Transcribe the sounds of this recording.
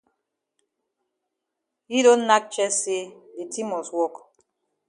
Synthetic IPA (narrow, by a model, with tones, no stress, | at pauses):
hi˦do˦na˦k̚t͡ʃɛ˦se˦di˨ti˦mɔ˨swɔ˦k